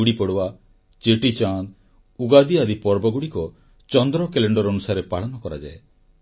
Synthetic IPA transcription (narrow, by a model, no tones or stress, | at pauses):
uɽipɔɽowa | t͡ʃeʈit͡ʃan | uɡad̪iad̪ipɔɾbɔɡuɽikɔ | t͡ʃɔnd̪ɾɔkeleɳɖɔɾɔnusaɾepaɭɔnɔkɔɾa̰d͡ʒa̰e